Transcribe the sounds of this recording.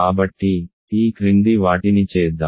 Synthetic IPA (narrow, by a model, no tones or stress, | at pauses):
aːbɐʈːi | iːkɾind̪iʋaːʈinit͡ʃɛːd̪ːa̰